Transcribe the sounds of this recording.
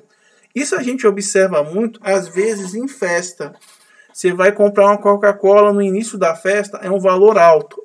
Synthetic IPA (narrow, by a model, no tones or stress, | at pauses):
isʊaʒẽnt͡ʃɪobisɛɾvɐmũj̃t̪ʊ̥azvezɪzẽj̃fɛst̪ɐ | sevajkõmpɾaɾũmɐkawkakɔlɐnʊinisjʊd̪ɐfɛst̪ɐʔɛũvaloɾawt̪ʊ̥